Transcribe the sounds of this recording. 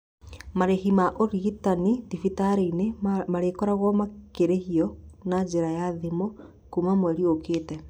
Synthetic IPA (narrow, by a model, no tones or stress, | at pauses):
maɾehimaʔoɾiitanidifitaɾeinemaɾekɔɾaɣwɔmakeɾehiɔnad͡ʒeɾajaðimo | kumamwɛɾiokeːtɛ